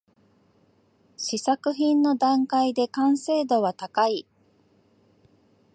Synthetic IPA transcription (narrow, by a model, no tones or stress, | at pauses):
ɕisakɯ̟çĩnːo̞d̪ãŋkaid̪e̞kãɰ̃se̞ːd̪o̞βat̪akai